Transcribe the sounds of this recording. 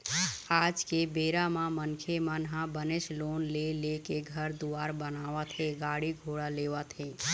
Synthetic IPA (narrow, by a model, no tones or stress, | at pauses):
aːd͡ʒkebeːɾamãmənkʰemənɦãbənesloːnlelekeɡʱəɾd̪uaːɾbənaːʋət̪ɦeɡaːɽiɡʱoːɽaleːʋət̪ɦeː